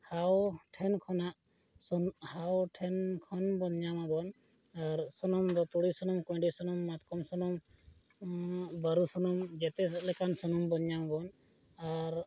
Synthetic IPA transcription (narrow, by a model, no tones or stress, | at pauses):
hawʈʰɛnkʰɔnaʔ | hawʈʰɛnkʰɔnbɔɲamabɔn | aɾsɔnɔmd̪ɔt̪uɽisɔnɔmkɔ̃ɖisɔnɔmːat̪kɔmsɔnɔm | bəɾusɔnɔmd͡ʒɛt̪ɛslɛkansɔnɔmbɔɲjamabɔn | aɾ